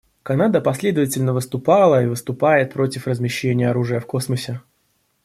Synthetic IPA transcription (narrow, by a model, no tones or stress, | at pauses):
kɐnad̪əpɐsʲlʲe̞d̪əvətʲɪlʲnəvɨst̪ʊpɑlˠəivɨst̪ʊpajɪt̪̚pɾo̞tʲɪfrəzmʲɪɕːenʲɪjəɐɾuʐɨjəfko̞sməsʲɪ